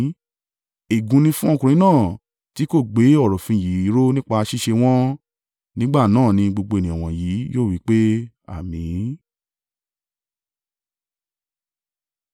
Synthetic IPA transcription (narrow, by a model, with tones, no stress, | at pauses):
e˨ɡũ˨˧nĩ˧fũ˦ɔ̃˦˧kũ˨ɾ̃ĩ˨˦nãː˦˨ | ti˨˦ko˦˨ɡ͡be˨˦ɔ˦˨ɾɔ˨fĩ˧ji˨˦i˨˦ɾo˦nĩ˦k͡pa˧a˧ʃi˦ʃe˧w̃ɔ̃˦ | nĩ˦ɡ͡ba˦˨nãː˦˨nĩ˧ɡ͡bo˧ɡ͡bo˧e˨nĩ˨ɔ̃˨w̃ɔ̃˨ji˨˦joː˦˨wi˨˦k͡pe˦ | a̰˦˨mĩ˨˦